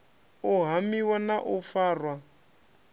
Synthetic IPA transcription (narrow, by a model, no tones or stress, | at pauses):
uɦamiwanaʔufaːrwa